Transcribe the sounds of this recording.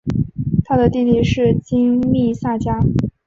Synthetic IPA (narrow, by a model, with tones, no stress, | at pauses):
t̪ʰa˥d̪ə˨t̪i˥˧t̪i˥˧ʂɻ̩˥˩t͡ɕi˥ŋli˥˧sa˥˩t͡ɕja˥